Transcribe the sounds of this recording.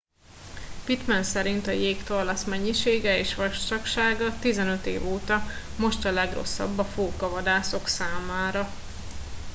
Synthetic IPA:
pit̪mɛnsɛɾint̪ɒjeːkt̪orlɒsmɛɲːiʃeːɡɛeːʃʋɒʃt̪ɒkʃaːɡɒt̪izɛnø̞t̪ḛːvoːt̪ɒ | mo̞ʃt̪ɒlɛɡro̞̰sːɒ̰bːɒfoːkɒvɒd̪aːso̞ksaːmaːɾɒ

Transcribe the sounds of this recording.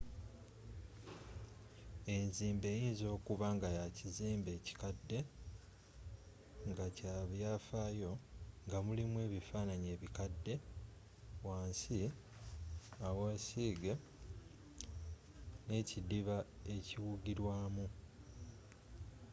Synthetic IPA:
e̞nziːmbe̞ːjiːnzo̞ːkuβaŋɡajaciziːmbe̞ːci̥kadːe̞ | ŋɡacaːβjaːfaːjo̞ŋɡamulimwe̞ːβifaːnaɲe̞ːβikadːe̞ | waːnsi | awaːsiːɡe | ne̞cidiβae̞ciwuɡiɾwaːmu

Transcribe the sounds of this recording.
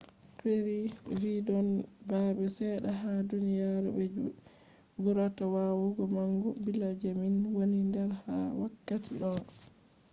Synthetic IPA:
peɾividɔnbabɛsɛɗaɦadunijaɾɛ̰bɛ | buɾatawawuɡɔmaŋɡubilad͡ʒeminwonindɛɾha̰wakːatiɗɔn

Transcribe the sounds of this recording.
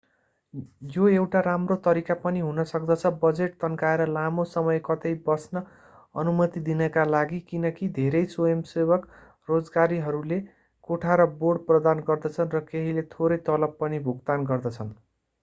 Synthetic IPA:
joewʈaɾamrot̪ʌɾikapʌniɦunʌsʌkd̪ʌt͡sʰʌbʌd͡zeʈ̚t̪ʌnkaeɾʌlamosʌmʌjkʌt̪ʌjbʌsnʌ | ʌnumʌt̪id̪inʌkalaɡikinʌkid̪ʱeɾʌjsoemsebʌk | rod͡zɡaɾiɦʌɾule | koʈʰaɾʌboɖprʌd̪anɡʌrd̪ʌt͡sʰʌnrʌkeɦilet̪ʰoɾʌjt̪ʌlʌbpʌnibʱuɡt̪anɡʌrd̪ʌt͡sʰʌn

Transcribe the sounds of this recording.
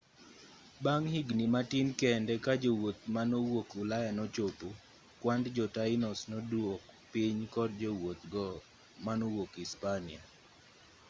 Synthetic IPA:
baŋhiɡnimatinkɛndɛkad͡ʒowot̪̚manɔwokʊlajanɔt͡ʃopo | kwandd͡ʒɔtaɪnɔsnɔdwokpiɲkɔdd͡ʒowot̪ɡɔ | manɔwokispania

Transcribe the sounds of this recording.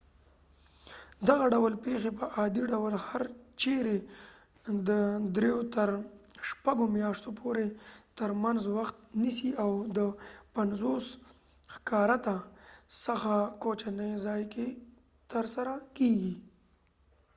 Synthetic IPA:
d̪aɣaɖawəlpexep̬əʔɑd̪iɖawəlhaɾt͡ʃeɾe | d̪əd̪ɾejot̪əɾʃpaɡomjɑʂt̪opʰoɾet̪əɾmanzwaxt̪̚nisiawd̪əpanzos | xkɑɾat̪asəxakot͡ʃanəjzɑjke | t̪əɾsaɾakeɡi

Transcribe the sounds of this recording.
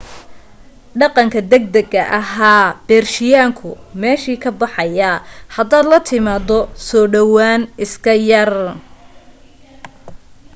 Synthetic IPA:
ɖɑqɑŋkʰɐd̪ɛɡ̚d̪ɐɡɐʔɐɦaːb̥ɛːrʃɪjaːŋkʰʊ | mɛːʃiːkʰɐbɑħɑjahɐd̪aːd̪lɐt̪ʰɪmaːd̪ɔsɔːɖɐwaːnɪskʰɐjɐr

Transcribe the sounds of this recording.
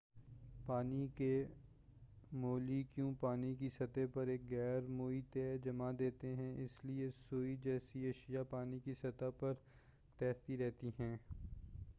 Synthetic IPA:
paːnike | moːlikjũːpaːnikisɐt̪epɐɾeːkɣɛːɾmoːit̪ed͡ʒɐmad̪eːt̪eɦɛ̃ɪsliesoːid͡ʒɛːsiɐʃijapaːnikisɐt̪apɐɾ | t̪ɛːɾt̪iɾɛɦt̪iɦɛ̃ː

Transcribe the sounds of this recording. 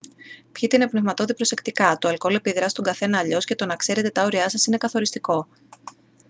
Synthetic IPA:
pçit̪einepnevmɐt̪o̞ðipɾo̞se̞kt̪ikɐt̪oɐlko̞le̞piðɾɐst̪oŋɡɐθe̞nɐːʎo̞sce̞t̪o̞nɐkse̞ɾe̞t̪e̞t̪ɐo̞ɾiɐsɐsine̞kɐθo̞ɾist̪iko̞

